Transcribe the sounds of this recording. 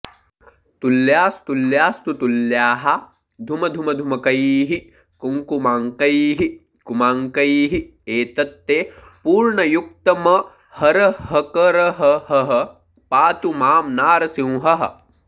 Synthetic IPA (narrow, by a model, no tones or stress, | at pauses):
t̪uljaːst̪uljaːst̪ut̪uljaːɦɐ | d̪ʱumɐd̪ʱumɐd̪ʱumɐkɐjiːɦi | kuŋkumaːŋkɐjɦi | kumaːŋkɐjɦi | eːt̪ɐt̪ːeː | puːɾɳɐjuk̚t̪ɐmɐ | hɐɾɐɦɐkɐɾɐɦɐɦɐɦɐ̆ | paːt̪umaːmnaːɾɐsĩw̃ɦɐɦɐ̰̆